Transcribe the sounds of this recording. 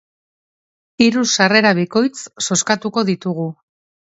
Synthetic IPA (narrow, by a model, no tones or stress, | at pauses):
iɾusare̞ɾaβiko̞jt͡sso̞skat̪uko̞ðit̪uɣ̞u